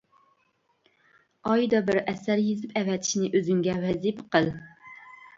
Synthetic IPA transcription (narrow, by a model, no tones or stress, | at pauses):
ɑjd̪ɑbɪɾʔɛsæɾjezɪpʰɛvɛt̪ʰɪ̥ʃinɪʔøzyŋɡʲɛwɛzipqəlˠ